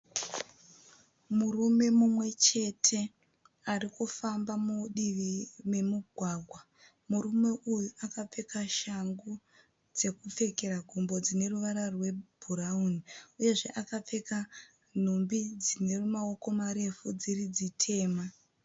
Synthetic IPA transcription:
murume̞mumwe̞t͡ʃe̞tʰe̞ | arikufambamuɗiʋime̞muɡʱwaːɡʱwa | muɾume̞ʔujuakap͡fe̞kaʃaŋɡu | d͡ze̞kup͡fe̞ke̞ɾaɡʱombo̞d͡zine̞ruʋaɾarwe̞b̥ʱuɾauniuje̞ʐe̞ʔakap͡fe̞ka | n̤umbid͡zine̞rumao̞ko̞maɾe̞fud͡zirid͡zitʰe̞ːma

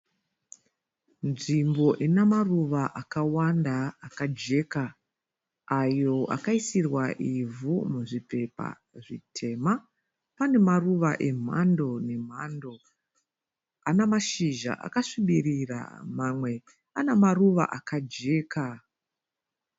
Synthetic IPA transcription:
nʐimbo̞ʔinamaruʋaʔakawandaakad͡ʒe̞ːkaː | jo̞ʔa̰kaisirwaʔivumuʐipe̞pa̰ | ʐitʰe̞ma | pane̞maruʋaʔe̞m̤a̰ndo̞ne̞m̤ando̞ | anamaʃiʒa̰ʔa̰kaʂiɓirira̰mamwe̞ | anamaruʋa̰ʔakad͡ʒe̞ːka

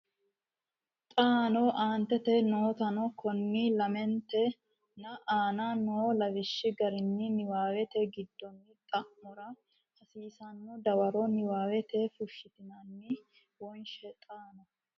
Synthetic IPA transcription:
t̪ʼaːnoːʔaːnt̪ɛt̪ɛnoːt̪ɐnɔkʰɔnːɪlɐmɛnt̪ɛ | nɐʔaːnaːnoːlɐwɪʃːɪɡɐɾɪnːɪnɪwaːwɛt̪ɛɡɪd̪ːɔnːɪt̪ʼɐʔmːɔɾɐ | hɐsiːsɐnːɔd̪ɐwɐɾɔnɪwaːwɛt̪ɛfʊʃːɪt̪ɪnanːɪ | wɔnʃɛt̪ʼaːnɐ

